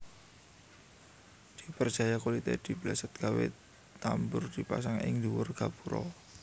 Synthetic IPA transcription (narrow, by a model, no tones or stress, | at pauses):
d̪̥i̤pər̥ʒ̥a̤jakolit̪ed̪̥i̤b̥lasət̪̚ɡ̥awḛ | t̪ambʊrd̪̥i̤pa̰saŋɪ̰ŋluwʊrɡ̥a̤b̥uɾɔ̰